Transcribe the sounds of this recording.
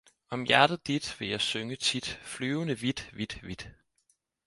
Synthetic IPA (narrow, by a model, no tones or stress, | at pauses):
ɒ̽mjæɐd̥ð̩ˠd̥id̥ʋe̝jɑ̈ɪsøŋət͡sʰid̥flyːʊnəʋid̥ʋid̥ʋid̥